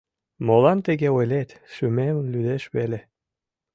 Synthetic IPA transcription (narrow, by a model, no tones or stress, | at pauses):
molɑnt̪eɣeojlet̪ʃymemnlyd̪eʃβele